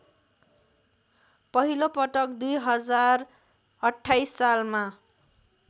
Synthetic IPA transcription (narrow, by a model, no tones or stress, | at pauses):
pʌɦilopʌʈʌkd̪ujɦʌd͡zar | ʌʈʰːajsːalma